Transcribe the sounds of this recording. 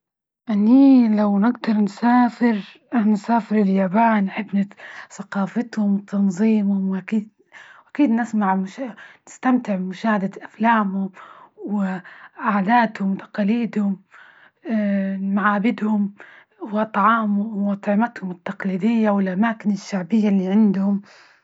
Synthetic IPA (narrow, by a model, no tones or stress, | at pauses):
ʔaniːlawnɪɡd̪ɑɾˤnsaːfɪɾ | nsaːfɪɾɪljaːbaːnːħɪbːnɪsɑqɑːfɪt̪hʊmwɪt̪ʰɑnzˤiːmhʊmwʔakiːd̪̚ | wʔakiːd̪nɪsmaʕmʊʃanɪst̪amt̪ɪʕmʊʃaːhad̪aʔaflaːmhʊmwɪʕaʕd̪aːt̪hʊmwt̪ɑ̥qɑːliːd̪hʊm | maʕaːbɪd̪hʊm | wʔɑt̪ˤʕɑːmʊʔɑt̪ˤʕɪmat̪hʊmɪt̪ːɑqliːd̪ɪjːawɪlʔamaːkɪnɪʃːaʕbɪjːalːiːʕɪnd̪hʊm